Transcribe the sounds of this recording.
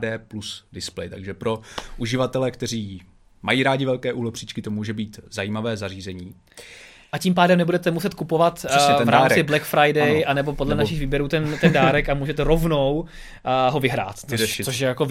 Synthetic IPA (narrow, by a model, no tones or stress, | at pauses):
dɛːplusdɪsplɛ̰jt̪aɡʒɛpɾo̞ʔuʒɪvat̪ɛlɛkt̪ɛɾ̝iː | majiːɾaːɟɪvɛlkɛːʔuɦlɛprit͡ʃkɪt̪omuːʒɛbiːt̪zajiːmavɛːzariːzɛɲiː | ʔaciːmpaːdɛmnɛbudɛt̪ɛmusɛt̪kupovat̪ɛsɛvɾaːmːɪblɛkfɾajdɛjʔanɛbo̞podlɛnaʃɪxviːbjɛɾuːt̪ɛnt̪ɛndaːɾɛkamuːʒɛt̪ɛɾovnow | ɦovɪɦɾa̰ːt̪ɛʃɪt͡soʃjɛjako